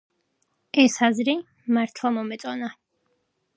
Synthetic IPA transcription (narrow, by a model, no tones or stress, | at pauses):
ɛsazɾi | maɾt̪ʰlˠamɔmɛt̪sʼɔna